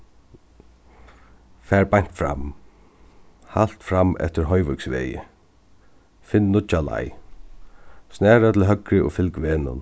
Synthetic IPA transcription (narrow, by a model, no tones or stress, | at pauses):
fɛːɹbajɲ̥t̪fɾa̰m | hal̥t̪fɾamːɛ̰ft̪ɪɾɦɔjʋʏksʋɛ̰ːjɪ̰ | fɪnnʊt͡ʃala̰j | snɛːɹat̪ʰɪlɦœkɾɪʔʊ̰fɪlkʋeːnʊ̰n